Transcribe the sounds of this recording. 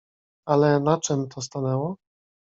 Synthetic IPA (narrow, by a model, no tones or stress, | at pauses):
alɛnat͡ʂɛmt̪ʰɔs̬t̪anɛwɔ